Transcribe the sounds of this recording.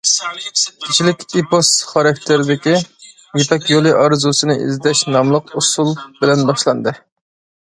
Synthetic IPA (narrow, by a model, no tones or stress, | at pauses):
kʲʰɪt͡ʃʰilɪkʲiposχɑɾɑkʲt̪ʰeɾɪd̪ɪkʲi | jepʰɛkʲjolˠɨʔɑɾɨzusɨnɨʔḭzd̪ɛʃnɑmlˠəqusulˠb̥ɪlɛnbɑʃlˠɑnd̪ɨ